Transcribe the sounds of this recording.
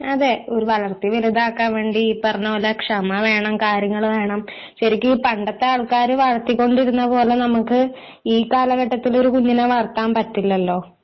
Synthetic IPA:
ɐðeo̞ɾuʋɐlɐrt̪iʋelud̪aːkːaːnʋe̞ːɳɖiiːpːɐrɐnːɐɐlɐkʂɐmɐʋe̞ːɳɐmkaːɾjɐŋːɐɭʋe̞ːɳɐm | ɕɐɾikʲːɨiːpɐɳɖɐt̪ːeaːɭkaːɾɨʋɐɭt̪ːikːo̞ɳɖiɾunːɐpo̞ːle̞nɐmukːɨ | iːkaːlɐɣɐʈːɐt̪ːilo̞ɾukunːineʋɐrt̪aːmpɐtːilːɐlːo̞ː

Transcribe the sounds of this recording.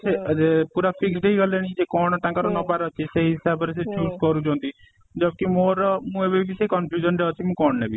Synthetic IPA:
seepuɾapʰiksɖeiɡɔlenĩd͡ʒekɔɽ̃ɔʈãkaɾɔnɔbaɾɔt͡ʃʰiseɦɦisabɾset͡ʃuːskɔɾud͡ʒɔ̃nt̪i | d͡ʒɔb̚kimoɾmũebebisekɔnpʰjud͡ʒɔnɖeɔt͡ʃʰimũkɔɳnebi

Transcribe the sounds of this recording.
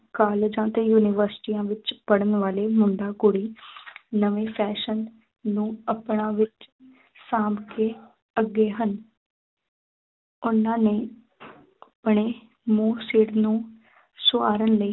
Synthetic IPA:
kaːled͡ʒãːt̪eːjuːnɪʋəɾsɪ̥ʈiːãːʋɪt͡ʃpəɽənʋaːleːmʊɳɖaːkʊɽiːnəʋẽːpʰɛːʃənː | ũːəpɳãːʋɪt͡ʃ | saːmkeː | əɡːeːɦən | ʊnãːneː | əpɳeː | mũːsiːɽnũː | sʊaːɾənləiː

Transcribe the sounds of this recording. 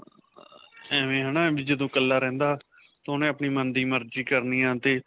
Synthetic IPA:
ɛːʋẽːɦɛːnaːbiːd͡ʒəd̪õːkəlːaːɾɛ̃ːnd̪aː | t̪oːnẽːəpniːmənd̪iːməɾd͡ʒiːkəɾniːãːt̪eː

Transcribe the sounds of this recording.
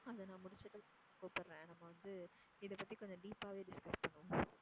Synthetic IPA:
ɐðɐnãːmʊɽɪt͡ʃːɐʈːɐ | koːpːɐɾɾẽːnɐmːɐʋɐnd̪ɯ | ɪðɐpɐt̪ːikɔɲd͡ʒɐ̃ɖiːpːaːʋeːɖɪskɐspɐɳːʊ̃

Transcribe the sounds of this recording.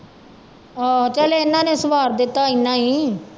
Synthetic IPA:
aːt͡ʃɛːleːɪnːãːnẽːsəʋaːɾd̪ɪt̪ːaːɪnːaːɦiː

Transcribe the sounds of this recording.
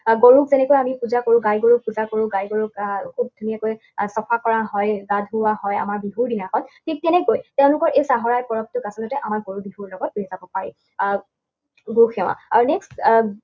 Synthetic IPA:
ɡoɹukzenɛkojamipuzakoɹʊ̃ɡajɡoɹuk̚puzakoɹʊ̃ɡajɡoɹukkʰub̚dʱunijakoj | sɔpʰakɔɹaɦɔjɡadʱɦʊwaɦɔja̰maɹbiɦuɹdinaxɔntʰik̚tɛnɛkojtɛʊ̃lʊkɔɹejsaɦɔɹajkɔɹɔk̚tʊkasɔlɔtɛʔamaɹɡoɹubiɦuɹlɔɡɔt̚beɹizabɔpaɹi | ɡoɹukʰɛw̃a̰aɹunɛkst

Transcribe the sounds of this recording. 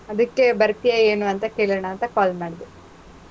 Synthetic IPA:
ɐd̪ɐkːebɐɾt̪ijeeːnuɐnt̪ɐkeːɭɐɳaːnt̪ɐkaːlmaːɽd̪e

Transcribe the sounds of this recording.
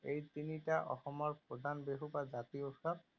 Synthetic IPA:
ejt̪initaʔɔ̰xɔmɔɹpɹod̪ʱanbeɦubazat̪iosɔb̚

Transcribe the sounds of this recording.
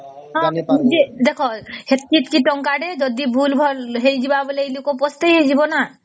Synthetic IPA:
ɦɔ̃d͡ʒed̪ekʰɔhet̪̚kit̪̚kiʈɔŋkaɖed͡ʒɔd̪ibʱulbʱɔlɦejd͡ʒibabolelukɔpɔst̪ejɦed͡ʒibɔna

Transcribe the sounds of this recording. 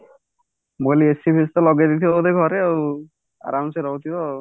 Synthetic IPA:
boliesipʰest̪ɔlɔɡed̪it̪ʰiɔd̪eɡʱɔɾɛaɹu | a̰ɾanseɾɔut̪ʰibɔau

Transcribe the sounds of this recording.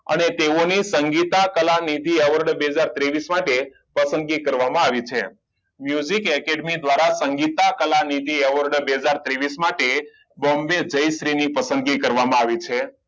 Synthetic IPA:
ə̰net̪eonisəŋɡit̪akəlanid̪ʱiɛʋəɾɖbeɦəd͡ʒaɾt̪ɾiʋismaʈe | pəsənd̪̚ɡikəɾʋamãaʋit͡ʃʰe | mjud͡ʒikɛkeɖmid̪ʋaɾasəŋɡit̪akəlanid̪ʱiɛʋəɾɖbeɦəd͡ʒaɾt̪ɾeʋismaʈe | bomʋed͡ʒəjʃɾinipəsənd̪ɡikəɾʋamãaʋit͡ʃʰe

